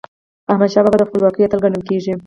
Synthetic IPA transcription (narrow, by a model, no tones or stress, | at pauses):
ahmad̪ʃɑbabad̪əxpəlwɑkəjat̪əlɡaɳəlkeʐi